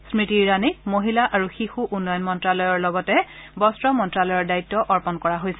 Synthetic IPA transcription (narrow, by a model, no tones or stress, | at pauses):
smitiɹanimoɦilaʔaɹuxixuʔunːɔjɔnmɔntɹalɔjɔɹlɔɡɔtɛbɔstɹɔmɔntɹalɔjɔɹdaitːɔʔɔɹpɔnkɔɹaɦojsɛ